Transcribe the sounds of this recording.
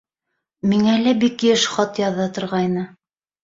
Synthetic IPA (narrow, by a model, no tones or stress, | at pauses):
miŋælæbikjɘʃχɑt̪jɑðːɑt̪ŏɾʁɑjnɤ